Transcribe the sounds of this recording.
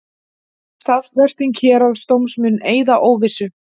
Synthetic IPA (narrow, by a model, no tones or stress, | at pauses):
st̪aðvɛr̥st̪iŋcʰɛːɾalst̪owmsmʏnːeːjðaʔoːwvɪsʏ